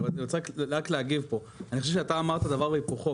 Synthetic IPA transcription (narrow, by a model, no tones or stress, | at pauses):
t̪aot͡sekʁakleaɡivpo̞ | anixoʃevʃeat̪aːmaʁt̪ad̪avaʁbeipuχo